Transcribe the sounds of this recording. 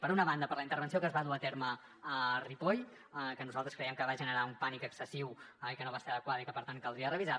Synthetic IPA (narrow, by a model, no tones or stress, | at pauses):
pəɾunəβand̪əpəɾləint̪əɾβənsiokəzβaðuat̪eɾmə | əripoj | kənuzalˠt̪ɾəskɾɛjəmkəβaʒənəɾaumpanikəksəsiwikənoβaseɾəðəkwaðəikəpəɾt̪ankəlˠd̪ɾiərəβiza